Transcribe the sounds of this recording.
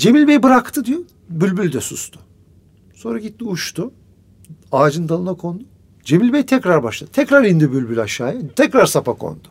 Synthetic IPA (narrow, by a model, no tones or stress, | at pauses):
d͡ʒe̞milʲbejibɯɾakt̪ʰɯd̪ijo | bylʲbylʲd̪ɛsust̪ʰʊ̥ | so̞nɾaɟit̪ːiuʃt̪ʰu | aːd͡ʒɯnd̪alˠɯnakʰo̞nd̪u | d͡ʒe̞milʲbejt̪ʰɛcɾaɾbaʃlˠad̪t̪ʰɛcɾaɾind̪ibylʲbylʲaʃaːjat̪ʰɛcɾaɾsapakʰo̰nd̪̥ʊ̥